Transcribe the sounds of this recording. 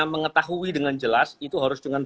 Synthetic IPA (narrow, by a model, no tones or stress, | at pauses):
məŋət̪aɦuidəŋand͡ʒəlasit̪uɦaɾʊsd͡ʒuŋan